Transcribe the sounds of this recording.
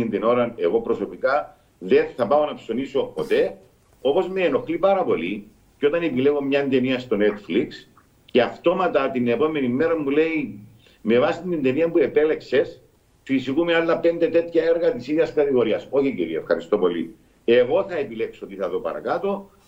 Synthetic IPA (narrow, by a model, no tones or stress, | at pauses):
ind̪ino̞ɾɐne̞ɣo̞pɾo̞so̞pikɐ | ðeθɐpao̞nɐpso̞niso̞po̞t̪e̞ | o̞po̞zmeːno̞xlipɐɾɐpo̞li | ceo̞t̪ɐnepile̞ɣo̞mɲɐnd̪e̞niɐst̪o̞ne̞t̪fliks | ceɐft̪o̞mɐt̪ɐt̪inepo̞me̞nimːeɾɐmule̞i | me̞vɐsit̪ind̪eniɐmpuepe̞le̞kse̞s | fisikumealːɐpend̪e̞t̪e̞t̪çɐeɾɣɐt̪isiðjɐskɐt̪iɣo̞ɾiɐso̞çiciɾiɐefxɐɾist̪o̞po̞lḭ | e̞ɣo̞θɐepile̞ksoot̪iθɐðopɐ̰ɾɐ̰kat̪o̞